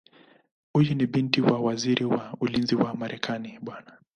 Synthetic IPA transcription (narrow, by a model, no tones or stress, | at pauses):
hujuniɓintiwawaziɾʔiwaulinziwamaɾʔɛkʰaniɓwana